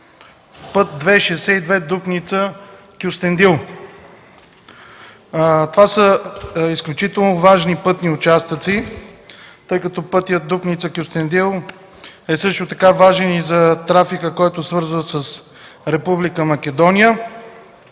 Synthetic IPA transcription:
pɤt̪̚d̪vɛʃɛsɛid̪vɛd̪upnit̪sə | kʲust̪ɛnd̪ilˠ | t̪ovasəisklʲut͡ʃit̪ɛlˠnovaʒnipɤt̪niʊt͡ʃast̪ət̪si | t̪ɤjkɐt̪ɔpɤt̪ijət̪̚d̪upnit̪səkʲust̪ɛnd̪ilˠ | ɛsɤʃt̪ʊt̪ɐkavaʒɛnizɐt̪ɾafikəkɔjt̪ʊsvɤɾzvəsəs | ɾɛpublikəmɐk̟ɛd̪ɔnʲijə

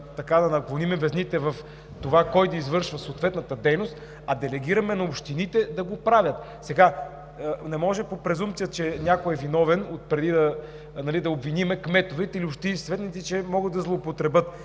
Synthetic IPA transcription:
t̪ɐkad̪ɐnɐɡlˠonimɛvɛznit̪ɛvɐf | t̪ovakɔjd̪ɐizvɤɾʃvɐsoːt̪vɛt̪nɐt̪əd̪ɛjnost̪ | ɐd̪ɛlɛɡiɾɐmɛnɐopʃt̪init̪ɛd̪ɐɡopɾavʲət̪ | sɛɡa | nɛmɔʒɛpopɾɛzumt̪sijət͡ʃɛnʲjakoɛvinɔvɛnot̪̚pɾɛd̪id̪ɐ | nɐlid̪ɐobvinimɛkmɛt̪ovɛt̪iliopʃt̪inisvɛt̪nit̪it͡ʃɛmɔɡətd̪ɐzlˠoːpot̪ɾɛbɤt̪

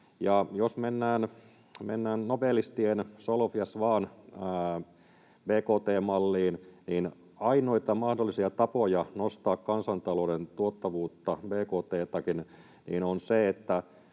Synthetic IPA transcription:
jɑjosmenːæːn | mḛnːæːnnopelːist̪iensolofiɑsʋɑːn | beːkoːt̪eːmmɑlːiːnniːn | ɑinoit̪ɑmɑhdolːisiɑt̪ɑpojɑnost̪ɑːkkɑnsɑnt̪ɑloːdent̪uot̪ːɑʋuːt̪ːɑbeːkoːt̪eːt̪ɑkin | nḭːnonseet̪ːæ

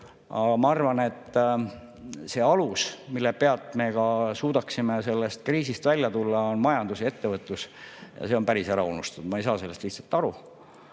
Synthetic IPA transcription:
ɑ̰mɑɑrvɑne̞t̪ː | se̞ːɑlusmilːepe̞ɑlt̪ːˑme̞kɑsuːd̪̥ɑksimese̞lːest̪̚kriːsist̪vælʲjɑt̪ulːɑonmɑjɑnd̪̥usje̞t̪ːe̞vɤt̪ːˑusjɑ̰se̞o̞npæɾiseɾɑunust̪ud̪mɑejsɑːsele̞st̪liçhtsɑ̥lt̪ːˑɑɾu

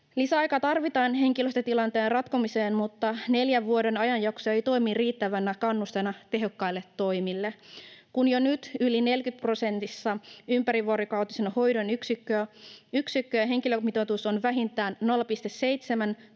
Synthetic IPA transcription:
lisæɑjkɑt̪ɑrʋit̪ɑːnɦe̞ŋkiløst̪ɑt̪ilɑnt̪eːnrɑt̪komise̞ːnmut̪ːɑne̞ljæʋʋuode̞nɑjɑnjɑksoejt̪o̞imiriːt̪ːæʋænːækɑnːust̪enɑt̪e̞ɦo̞kːɑilːet̪ːo̞jmilːekunjonyt̪yline̞lkyt̪̚pro̞se̞nt̪isːɑympæɾiʋoɾokɑwt̪isenho̞jdo̞nyksikːøːyksikːøɦe̞ŋkilømit̪ot̪uso̞nʋæɦint̪æːnːolːpist̪e̞ssejt̪semæn

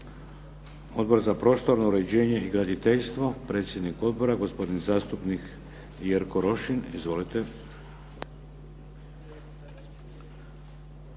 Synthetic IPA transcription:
o̞d̪bo̞ɾzapɾo̞st̪o̞ɾnouɾe̞d͡ʑe̞ːɲe̞iɡɾad̪it̪eʎst̪ʋo̞pɾe̞ːt̪sje̞d̪niko̞d̪̚bo̞ɾaɡo̞spo̞d̪inzaːst̪upnik | jeɾkoɾo̞ʃinizʋo̞lit̪e

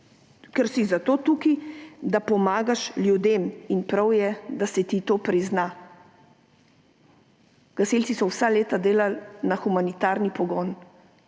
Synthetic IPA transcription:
kɛɾsizat̪oːt̪ukid̪apɔmaːɡaʃljud̪eːminpɾawjɛd̪asɛt̪it̪oːpɾizna | ɡ̥aselt͡ssisɔwsaleːt̪ad̪eːlalnaxumanit̪aːɾnipɔɡɔːn

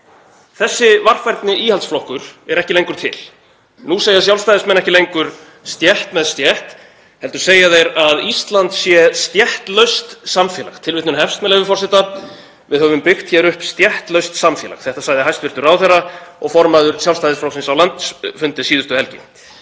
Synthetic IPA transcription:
θɛsːɪvar̥fajɾt̪nɪʔiːhalt̪sflɔhkʏɾ̥ɛɾɛhcɪlejŋkʏɾ̥t̪ʰɪ̰l | nuseːjasjawlst̪ajðɪsmɛnɛhcɪlejŋkʏɾ̥ | st̪jɛht̪mɛðst̪jɛht̪ | hɛlt̪ʏɾ̥seːjaðejɾaðist̪lant̪sjɛst̪jɛht̪lœɥst̪samfjɛːla̰xt̪ʰɪlvɪht̪ʏnhɛfst̪mɛlɛvɪfɔr̥sɛt̪a | vɪðhœvʏmpɪxt̪çɛɾʏhpst̪jɛht̪lœɥst̪samfjɛːla̰xθɛht̪asaːjðɪɦajst̪vɪɾ̥t̪ʏɾawθɛraɔɣfɔɾmaðʏɾ̥sjawlst̪ajðɪsflɔwksɪnsawlant̪sfʏnt̪ɪsiːðʏst̪ʏɛlcɪ̰

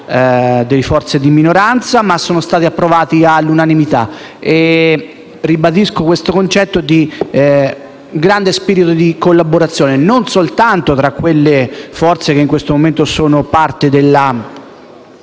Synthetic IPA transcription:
d̪elfɔrt̪sed̪iminoɾant̪samasːoːnost̪aːt̪iapːɾovaːt̪ialːunanimit̪a̰ | e | ribad̪iskokwest̪okont͡ʃɛt̪ːod̪i | ɡɾand̪espiɾit̪od̪ikolːaboɾat̪sːjoːnenonsolt̪ant̪ot̪ɾakːwelːefɔrt̪sekeiŋkwest̪omoment̪osoːnopart̪ed̪elːa

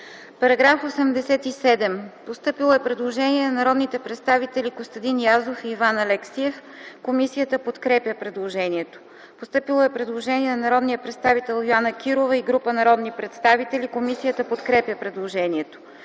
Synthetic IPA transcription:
pɐɾɐɡɾafosɛmd̪ɛsɛt̪isɛd̪ɛmpost̪ɤpilˠoɛpɾɛd̪lˠoʒɛniɛnɐnɐɾɔd̪nit̪ɛpɾɛt̪st̪avit̪ɛlʲiɡost̪ɐd̪injazofiːvanɐlɛksiɛf | komisijət̪əpot̪kɾɛpʲjəpɾɛd̪lˠoʒɛniɛt̪o̥ | post̪ɤpilˠoɛpɾɛd̪lˠoʒɛniɛnɐnɐɾɔd̪nijəpɾɛt̪st̪avit̪ɛlˠjoanək̟iɾovəiɡɾupənɐɾɔd̪nipɾɛt̪st̪avit̪ɛlikomisijət̪əpot̪kɾɛpʲjəpɾɛd̪lˠoʒɛniɛt̪o̥

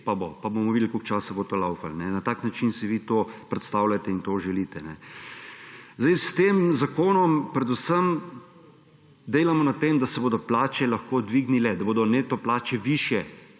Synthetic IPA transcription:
pabopabomɔʋid̪əlkokt͡ʃaːsabot̪oːlawfalnɛnat̪aːknat͡ʃinsiʋiːt̪oːpɾɛt̪st̪awlʲat̪ɛint̪oːʒɛliːt̪ɛnɛ̰ | zd̪ajst̪eːmzakoːnɔmpɾɛd̪ʊsəm | d̪eːlamɔnat̪emd̪asɛboːd̪ɔplaːt͡ʃɛlɐxkoːd̪ʋiːɡnilɛd̪aboːd̪ɔneːt̪ɔplaːt͡ʃɛʋiːʃjɛ

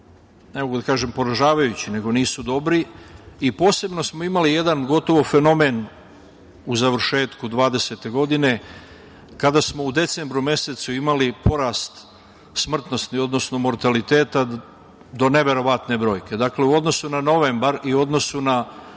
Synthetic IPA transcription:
ne̞moɡud̪akaːʒe̞mpo̞ɾaʒaːʋajut͡ɕine̞ɡo̞niːsud̪o̞bɾiipo̞ːse̞bno̞smo̞imalije̞d̪anɡo̞t̪o̞ʋo̞fe̞no̞me̞n | uzaʋr̩ʃe̞ːt̪kud̪ʋaːd̪e̞se̞t̪e̞ɡo̞d̪ine̞ | kad̪asmo̞ud̪e̞t̪se̞mbɾumje̞se̞t̪suimalipo̞ɾaːst̪ | smr̩t̪no̞snio̞d̪no̞sno̞mo̞ɾt̪alit̪e̞ːt̪a | d̪o̞ne̞ʋe̞ɾo̞ʋat̪ne̞bɾo̞ːjke̞d̪akle̞uo̞d̪no̞sunano̞ʋe̞mbaɾiuo̞d̪no̞suna

